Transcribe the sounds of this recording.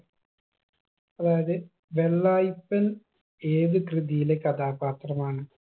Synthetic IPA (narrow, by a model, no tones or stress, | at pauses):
ɐðaːjɐðɨ | ʋeɭːaːjpːɐn | eːðɨkrɨðijilekɐd̪ʰaːpaːt̪rɐmaːɳɨ